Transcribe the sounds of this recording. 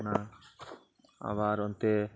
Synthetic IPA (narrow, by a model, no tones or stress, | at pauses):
na | a̰ʋaɾɔnt̪e